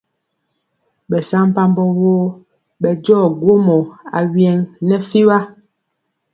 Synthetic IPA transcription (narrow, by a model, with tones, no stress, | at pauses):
bɛ˨sa˦m˦pa˦mbɔ˦wo˦ | ɓɛ˨d͡ʒɔː˦˨ɡwo˦mɔ˨a̰˨wjɛ˨ŋnɛ˦fi˦βa˦